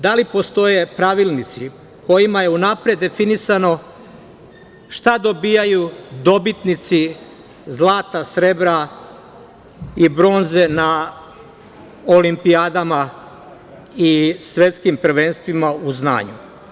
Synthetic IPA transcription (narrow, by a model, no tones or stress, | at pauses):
d̪alipo̞st̪o̞je̞pɾaʋilˠnit̪si | ko̞jimaje̞unapɾe̞d̪ːe̞finisano̞ | ʃt̪ad̪o̞biːjajud̪o̞bit̪nit̪si | zlˠaːt̪asɾebɾa | ibɾo̞ːnze̞na | olimpiaːd̪ama | isʋe̞t̪skimpɾ̩ʋenst̪ʋimauzna̰ːɲṵ